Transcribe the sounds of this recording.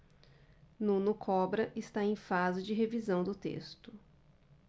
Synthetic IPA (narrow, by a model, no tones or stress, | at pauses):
nũnʊkʰɔbɾɐʔɪst̪aẽj̃fazɪd͡ʒɪɦevizɐ̃w̃d̪ʊt̪ḛst̪ʊ